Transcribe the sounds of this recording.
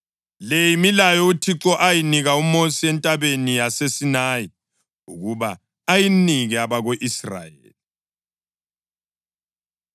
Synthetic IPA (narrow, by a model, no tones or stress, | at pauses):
lejimilajɔutʰiǁɔʔajiniɣaumosiɛntʼaβeniasesinaːji | ṵɣuβaː | jiniɣɛaβaɣoʔisra̰jḛːli